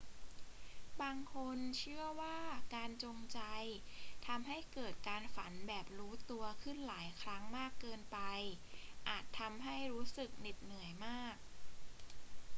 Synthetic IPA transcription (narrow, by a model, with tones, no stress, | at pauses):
baː˧ŋkʰo˧nt͡ɕʰɯ˥˩ɐwaː˥˩kaː˧nt͡ɕo˧ŋt͡ɕa˧jt̪ʰa˧mɦa˥˩jkɤː˨˩t̪̚kaː˧nfa˩˦nbɛː˨˩p̚ɾuː˦˥t̪u˧ɐkʰɯ˥˩nlaː˩˦jkʰɾa˦˥ŋmaː˥˩kːɤː˧npa˧j | ʔaː˨˩t̪ʰːa˧mɦa˥˩jɾuː˦˥sɯ˨˩k̚ni˨˩t̪̚nɯ˨˩˦əjmaː˥˩k̚